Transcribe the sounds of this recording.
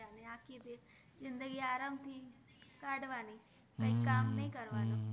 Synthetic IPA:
aːneːaːkːit̪eː | zɪnd̪əɡiːaːɾaːmt̪ʰiː | kaɖʋaːniː | əĩkaːmnəĩːkəɾʋaːno

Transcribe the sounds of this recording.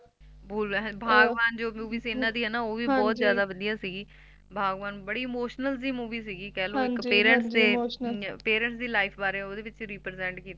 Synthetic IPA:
bʱuːlʋɛ̃ɦbʱaːɡʋaːnd͡ʒoːmuːʋiːsiɪnːãːd̪iːɦɛːnaːoːʋiːbɔːt̪zjaːd̪aːʋəd̪ijaːsiːɡiː | bʱaːɡʋaːnbəɽiːɪmoːʃnəlzd̪iːmuːʋiːsiːɡiːkɛːloːɪkpeːɾə̃ɳʈsd̪eːpeːɾə̃ɳʈs̬d̪iːlaːɪpʰbaːɾeːɛoːd̪eːʋɪt͡ʃɾiːpɾzɛ̃ɳʈkiːt̪a

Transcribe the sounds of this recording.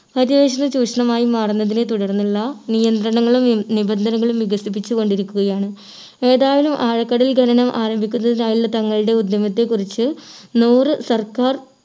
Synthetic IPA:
pɐdiʋeːɕɐnɨt͡ɕuːɕɐɳɐmaːjimaːrunːɐðine̞t̪uɽɐrnːuɭːɐnijɐnd̪ɾɐɳɐŋːɐɭumnibɐnd̪ʱɐnɐŋːɐɭumʋiɡɐsip̬ːit͡ɕːuko̞ɳɖiɾikʲːuɣɐjaːɳɨ | e̞ːðaːʋɐlumʔaːɻɐkːɐɽɐlɡʱɐɾɐnɐmʔaːɾɐmbʱikʲːunːɐðinaːjiɭːɐt̪ɐŋːɐɭiɽe̞ud̪jɐmɐt̪ːe̞kːurit͡ɕːɨnuːrɨsɐrkaːr

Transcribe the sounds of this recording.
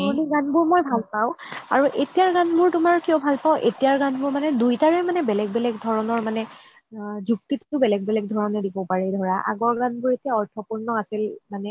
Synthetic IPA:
ɔɔniɡanbʊɹmojbʱalpaʊ̃a̰ɹuʔetijaɹɡanbʊɹtʊmaɹkiɔbʱalpaʊʔḛtijaɹɡanbʊɹmanɛdujtaɹɛmanɛbɛlɛɡ̚bɛlɛɡdʱɔɹɔnɔɹmanɛ | zuk̚tittʊbɛlɛɡ̚bɛlɛɡ̚dʱɔɹɔnɛdibɔpaɹɛdʱɔɹaʔa̰ɡɔɹɡanbʊɹetijaɔɹtʰɔpuɹnɔasilmanɛ

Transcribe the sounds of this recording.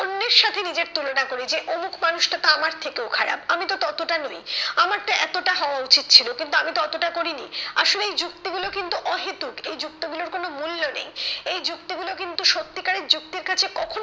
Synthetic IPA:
onːeɾʃat̪ʰenid͡ʑeɾt̪ulonakoɾid͡ʑeʔomukʰmanuʃʈat̪aamaɾt̪ʰekeokʰaɽa̰bamit̪ot̪ɔt̪oʈanojamaɾt̪aɛt̪oʈaɦɔoaut͡ɕit̪̚t͡ɕʰilokint̪uamit̪oɔt̪oʈakoɾinia̰ʃoleejd͡ʑuk̚t̪iɡulokint̪uʔɔɦet̪ukejd͡ʑuk̚t̪iɡuloɾkonomulːonḛjejd͡ʑukt̪iɡulokint̪uʃot̪ːikaɾeɾd͡ʑuk̚t̪iɾkat͡ɕʰekɔkʰo

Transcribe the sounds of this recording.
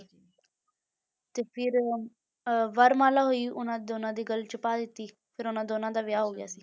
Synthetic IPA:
t̪eːpʰɪɾ | ʋəɾmaːlaːɦoːiːʔʊnãːd̪oːnãːd̪iːɡəlt͡ʃəpaːd̪ɪt̪ːiː | pʰɪɾʊnãːd̪oːnãːd̪aːʋɪjaːɦoːɡja̰ːsiː

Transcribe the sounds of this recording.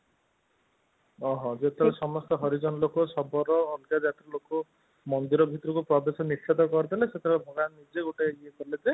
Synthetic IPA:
ɔɦɔ̃d͡ʒet̪ʰeesɔmɔst̪ɔɦɔɾid͡ʒɔnɔlokɔsɔbʱɔɾɔːlkad͡ʒat̪ɾɔlokɔ | mɔnd̪iɾɔbʱit̪ɔɾɔkupɾɔbesɔnist͡ʃʰet̪ɔkɔɾt̪ʰaleset̪ʰbʱɔɡannid͡ʒeɡuʈeeiekɔɾiled͡ʒe

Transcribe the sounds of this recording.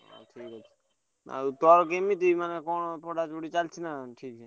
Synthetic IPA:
o̰ʈʰiːkə | na̰t̪ɔaɾk̬emit̪imanekonpoɖat͡ʃoɽit͡ʃalt͡ʃʰinaʈʰiːk̚t͡ʃʰɛ

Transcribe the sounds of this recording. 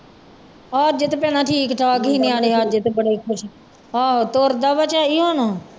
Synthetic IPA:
ɔːɾd͡ʒɪt̪pɛ̃ːnaːʈʰiːkʈʰaːkɦiːnẽːaːleːaːd͡ʒɪt̪bəɽeːkʰʊʃ | aːot̪oːɾd̪aːʋət͡ʃaːiːɦoːnoː

